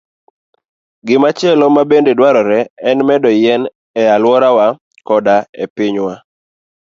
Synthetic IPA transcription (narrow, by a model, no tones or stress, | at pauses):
ɡɪmat͡ʃjɛlɔmabendedwaɾɔɾɛɛnmɛdɔjɛn | ɛalwɔɾawa | kɔdaepɪɲwa